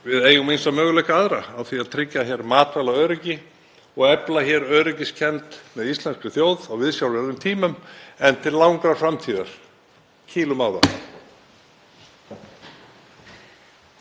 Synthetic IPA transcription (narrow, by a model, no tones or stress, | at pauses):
vɪðeːjʏmensamœːɣʏlɛhkaaðɾaːwθiaðt̪ʰɾɪcːaçɛːɾmaːt̪valaœːɾʏcɪ | ɔɣɛplaçɛːɾœːɾʏc̬ɪscʰɛnt̪mɛðist̪lɛnskʏθjoːwðaɣvɪðsjawlvɛɾðʏmt̪ʰiːmʏmɛnt̪ʰɪllawŋkɾḁfɾamt̪ʰiːðaɾ̥ | cʰiːlʏmaːwða̰